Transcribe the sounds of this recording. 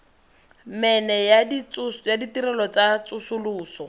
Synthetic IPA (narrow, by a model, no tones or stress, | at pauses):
mɛnɛjadit͡sʊsjaditiɾɛlɔt͡sat͡sʊsʊluːsɔ